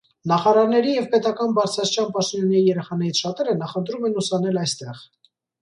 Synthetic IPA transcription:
nɑχɑɾɑɾnɛɾijɛvpɛt̪ɑkɑnbɑɾt͡sʰɾɑst͡ʃʰɑnpɑʃt̪ɔnjunɛɾijɛɾɛχɑnɛɾit͡sʰʃɑt̪ɛɾənɑχənt̪ɾumɛnusɑnɛlɑjst̪ɛʁ

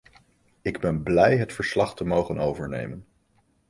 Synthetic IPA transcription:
ɪɡbɛnblɛjɦətfəɹslɑχtəmowχənowvəɹnḛjmən

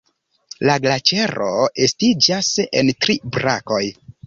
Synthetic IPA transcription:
laɡlat͡ʃe̞ɾo̞estid͡ʒasḛntɾibɾa̰ko̞j

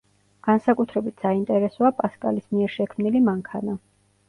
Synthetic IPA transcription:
ɡ̥ansakʼut̪ʰɾɛbit̪ʰsaint̪ʼɛɾɛsɔapʼaskʼa̰lismiɛɾʃɛkʰmnilimaŋkʰana

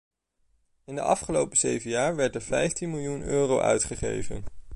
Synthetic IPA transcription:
ɪndə̰ʔɑ̰fχəlowpəzejvənjaːɹʋɛɹtəɹv̥ɛjftinmɪlˠjunøːrowʔœ̰ɥtχəχḛjvə̰n

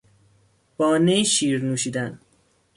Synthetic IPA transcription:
b̥ɒːneʃiːɾnuːʃiːd̪æn

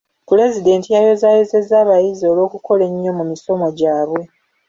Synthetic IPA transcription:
pule̞zide̞ːntijajo̞zajeze̞zaːβajizio̞lo̞ːkuko̞le̞ɲːo̞mumiso̞mo̞ɟaːβwe̞

